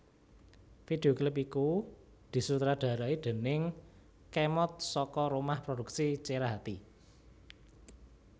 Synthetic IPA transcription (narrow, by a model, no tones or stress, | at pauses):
fid̪̥e̤oklɪp̬iku | d̪̥i̤sut̪ɾaɖ̪̥ä̤ɾaid̪̥ə̤nɪŋ | kɛmɔt̪̚sɔkɔɾumahpɾoduksit͡ʃeɾaɦat̪i